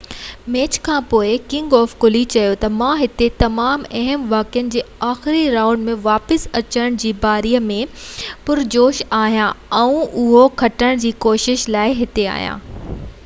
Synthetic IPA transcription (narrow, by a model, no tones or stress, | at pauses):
meːt͡ɕkʰãːpoːɪkɪ̃ŋɡɔːfkʊlit͡ɕɐjot̪ɐmãɦɪt̪et̪ɐmaːmɐɦəmʋaːkijənɪ̆d͡ʑeːaːxɪɾiɾaːʊ̃ɳɖmẽʋaːpəsɐt͡ɕəɽɽ̃d͡ʑiːbaːɾiːjəmẽpʊɾd͡ʑoːʃaːɦijãɛ̃ũʊɦokʰɐʈəɽ̃d͡ʑiːkoːʃɪʃlaːɪɦɪt̪ea̰ːɦijã̰ː